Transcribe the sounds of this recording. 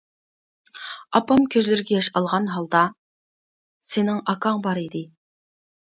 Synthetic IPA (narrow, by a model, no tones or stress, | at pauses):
ɑpɑmkʲʰøzlɪɾɪɡʲɛjɑʃɑlˠʁɑnɦɑlˠd̪ɑ | sɪnɪŋɑkʰɑŋbɑɾid̪ɪ